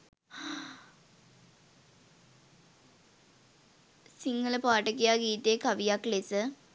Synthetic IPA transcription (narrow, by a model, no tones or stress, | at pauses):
siŋɡɐɭɨpaːʈːɐkːijaːɡiːtːekɐʋijaːkɭesɨ